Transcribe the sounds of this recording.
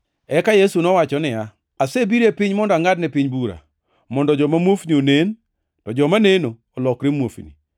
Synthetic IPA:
ɛkajesunɔwat͡ʃɔnɪa | asebiɾepɪɲmɔndɔaŋadnɛpɪɲbuɾa̰ | mɔndɔd͡ʒɔmamwofnionen | tɔd͡ʒɔmanenoːlɔkɾemwofnḭ

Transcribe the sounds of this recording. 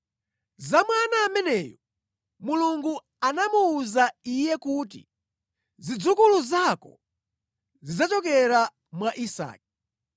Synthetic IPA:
zamwanaːmɛnɛːjɔ | muluŋɡu | anamuːzaijɛkut̬ḭ | zid͡zukuluzakɔ̰ | zid͡zat͡ʃɔk̬ɛɾa | mwaʔisa̰ːk̚i

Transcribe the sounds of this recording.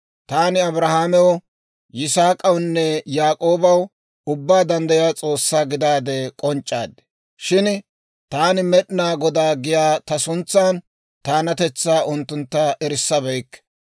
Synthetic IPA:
t̪aːnɪɐbɾɐhaːmɛwɔ | jɪsaːkʼɐwnːɛjaːkʼo̞ːbɐw | ʊbːaːd̪ɐnd̪ɐjaːt͡sʼo̞ːsːaːɡɪd̪aːd̪ɛkʼɔnt͡ʃʼːa̰ːd̪ɛ̥ | ʃɪn | t̪aːnɪmɛɗnaːɡɔd̪aːɡɪjaːt̪ɐsʊnt͡sːaːn | t̪aːnɐt̪ɛt͡sːaːʔʊnt̪ːʊnt̪ːɐʔɛɾɪsːɐbɛjkːɛ̥

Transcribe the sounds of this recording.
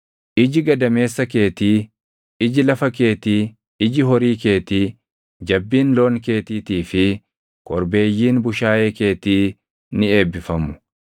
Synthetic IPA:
ʔɪd͡ʒɪɡɐd̪ɐme̞ːsːɐke̞ːt̪iː | ɪd͡ʒɪlɐfɐke̞ːt̪iː | ɪd͡ʒɪɦɔɾiːke̞ːt̪iː | d͡ʒɐbːiːnloːnke̞ːt̪iːt̪iːfɪ | kʼɔɾbe̞ːjːiːnbʊʃaːjeːke̞ːt̪iː | nɪeːbːɪfɐmʊ̥

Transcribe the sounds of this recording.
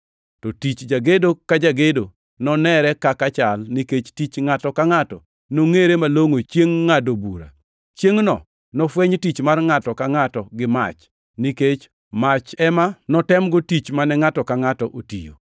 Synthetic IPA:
tɔtit͡ʃd͡ʒaɡedokad͡ʒaɡedo | nɔnɛɾɛkakat͡ʃalniket͡ʃtit͡ʃŋatɔkaŋatɔ̰ | noŋeɾemaloŋot͡ʃjeŋːadobuɾa̰ | t͡ʃjeŋnɔ̰ | nɔfweɲtit͡ʃmarŋatɔkaŋatɔɡɪma̰t͡ʃ | niket͡ʃ | mat͡ʃɛmanɔtɛmɡʊtit͡ʃmanɛŋatɔkaŋatɔʔotḭjo̰

